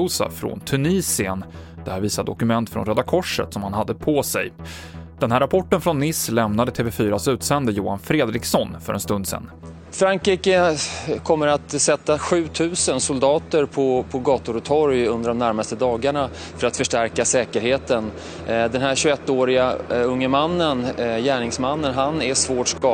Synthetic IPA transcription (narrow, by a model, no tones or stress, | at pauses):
uːsa̰fɾɔ̰nt̪ʰɵniːsɪən | d̪̥ɛhæːɾviːsad̪d̪ɔkɵmɛnt̪fɾɔ̰nɾɛd̪akʰɔʂːə̰t̪sɔmhanhad̪ːəpʰɔsɛ̰j | d̪̥ɛnhæːɾːapʰɔʈːənfɾɔnːɪslɛmnad̪ət̪ʰeːvɛfyːɾasʉ̟ːt̪sɛnd̪əjuːhanfɾeːd̪ɾɪksɔnfœ̰ɾɛ̰nst̪ɵnd̪sɛ̰nː | fɾaŋkɾiːkəkʰɔmːəɾat̪sɛt̪ːaɧʉ̟ːt̪ʰʉ̟ːsənsʊld̪ɑːt̪əɾpʰɔpʰɔɡɑːt̪ʊɾt̪ʰɔɾjɵnd̪əɖɔmnæɾmast̪əd̪ɑːɡaɳa | fœɾat̪fœʂʈæɾkasɛːkəɾheːt̪ən | d̪ɛnɦæɾɕɵɛt̪ːoːɾɪɡaɵŋːəmanːənjæːɳɪŋsmanːənɦanæʂvoːʈʂkɑ